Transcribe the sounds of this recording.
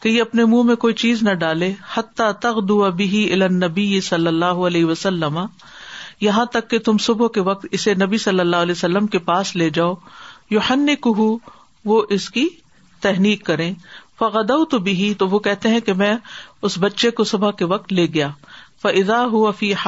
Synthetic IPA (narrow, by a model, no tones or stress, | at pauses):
kejeɐpnemũːmẽkoːit͡ʃiːznɐɖaːlehɐt̪ːaːt̪ɐɣd̪ʊwabɪɦiɪlaːnːɐbɪjɪsɐlːɐlːaːɦʊɐlɛːɦɪʋɐsɐlːɐma | jɐɦãt̪ɐkːet̪ʊmsʊbkeʋɐk̚t̪ɪsenɐbisɐlːəlːaːɦʊlɛːsɐlːəmkepaːsleːd͡ʒaːoːjʊħɐnːɪkʊɦu | ʋoʔɪski | t̪ɛɦniːkːɐɾẽːfɐɣɐd̪ɐwt̪ʊbɪɦit̪oʋokɛɦt̪eɦɛ̃kemɛ̃ʊsbɐtːʃekosʊbakeʋɐk̚t̪leːɡɐjaːfɐʔɪðaːɦʊʋɐfiː